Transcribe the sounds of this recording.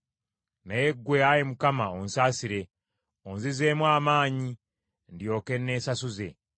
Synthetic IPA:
najeɡːweajemukamaonsaːsiɾe̞ | onzizeːmwaːmaːɲi | ndjo̞ːke̞nːe̞ːsasuze̞

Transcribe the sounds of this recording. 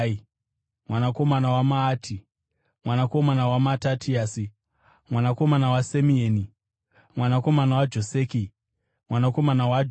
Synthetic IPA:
mwanako̞manawamaːtʰi | mwanako̞manawamatatʰiaːsi | mwanako̞manawasemieːni | mwanako̞manawad͡ʒo̞seːki | mwanako̞manawa

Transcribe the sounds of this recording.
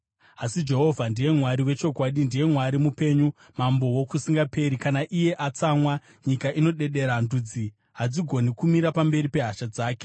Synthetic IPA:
asid͡ʒe̞ɦo̞vʱandije̞mwaɾiwe̞t͡ʃo̞kwaɗindije̞mwaɾimupe̞ɲu | mambo̞wo̞kusiŋɡape̞ɾikanaʔije̞ʔat͡samwa | ɲikaʔino̞ɗe̞ɗe̞ɾandud͡zi | ɦad͡ziɡʱo̞nikumiɾapambe̞ɾipe̞ɦaʃad͡zaːke

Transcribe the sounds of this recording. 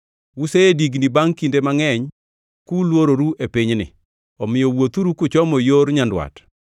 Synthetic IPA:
wuseediɡnibaŋkindemaŋɛɲ | kulwoɾoɾuʔepɪɲnɪ̰ | ɔmɪjɔwot̪uɾukʊt͡ʃɔmɔjoɾɲandwa̰t

